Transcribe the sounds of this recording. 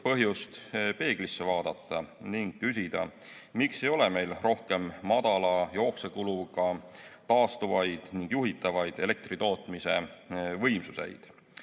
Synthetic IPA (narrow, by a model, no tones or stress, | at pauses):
pɤɦjust̪pe̞ːɡ̥lisːe̞vɑːd̪̥ɑt̪ːɑniŋɡ̥kysʲid̪̥ɑ̰ | mikse̞jo̞le̞me̞jlro̞hke̞mːɑd̪ɑlɑjo̞ːkse̞kuluɡɑt̪ɑːst̪uvɑjd̪̥niŋɡ̥juɦit̪ːˑɑvɑjd̪̥e̞le̞k̚t̪rit̪o̞ːt̪ˑmise̞vɤ̞jmsuse̞̰jd̪̥